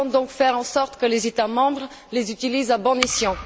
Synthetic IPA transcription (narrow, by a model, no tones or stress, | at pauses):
d̪ɔ̃kfɛʁɑ̃sɔʁt̪kəlezet̪amɑ̃bʁ | lezyt̪ilizabɔ̃nisjɑ̃